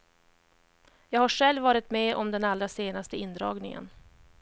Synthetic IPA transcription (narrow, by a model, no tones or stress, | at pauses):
jɑːɡhaʂɛlvːɑːɾɪt̪mɛʔɔmd̪ɛnalːɾaseːnast̪əɪnd̪ɾɑ̰ːɡnɪ̰ŋə̰n